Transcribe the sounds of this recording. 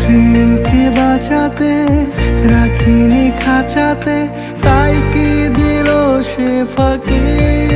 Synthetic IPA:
pʰimkibat͡ʃat̪e | ɾakʰinikʰat͡ʃat̪e | t̪aikid̪iloʃepʰəke

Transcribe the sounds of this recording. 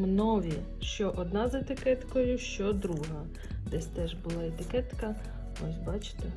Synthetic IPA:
mnɔʋʲi | ʃt͡ʃɔʔɔd̪nɑzet̪ɪkɛt̪kɔjʊʃt͡ʃɔd̪ɾuɦɐ | d̪ɛsʲt̪ɛʒbʊlˠɑet̪ɪkɛt̪kɐ | ɔsʲbɑt͡ʃɪ̥t̪e

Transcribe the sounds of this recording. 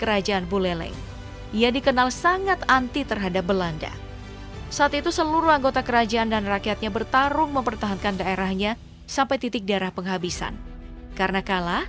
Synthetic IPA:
kəɾad͡ʒaanbulɛlɛ̰ŋ | ijadikənalsaŋat̪ant̪it̪ərɦadap̚bəlanda̰ | saat̪it̪usəluɾuhaŋɡot̪akəɾad͡ʒaʔandanrakiat̪̚ɲabərt̪aɾʊŋməmpərt̪aɦankandaʔeɾahɲa | sampajt̪it̪ɪk̚daeɾahpəŋɦabisa̰n | kaɾənakala

